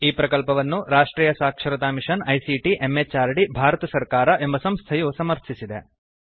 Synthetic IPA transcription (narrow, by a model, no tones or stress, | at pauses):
iːpɾɐkɐlpɐʋɐnːuɾaːʂʈɾiːjɐsaːkʂɐɾɐt̪aːmiʂɐnɐjsiʈiʔemːet͡ʃaːɾɖibʱaːɾɐt̪ɐsɐɾkaːɾɐʔe̞mbɐsɐmst̪ʰɐjusɐmɐɾt̪ʰisid̪e